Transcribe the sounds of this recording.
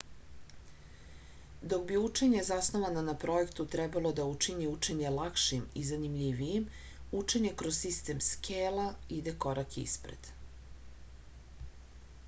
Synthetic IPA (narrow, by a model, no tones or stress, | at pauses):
d̪o̞ɡbiut͡ʂe̞ɲezasnoʋananapɾo̞ekt̪ut̪ɾɛbalo̞d̪aut͡ʂiɲeut͡ʂe̞ɲe̞lakʃimizanimʎiʋijim | ut͡ʂe̞ɲe̞kɾozssist̪e̞mskʰeːlaid̪e̞koɾakḭspɾḛd̪̥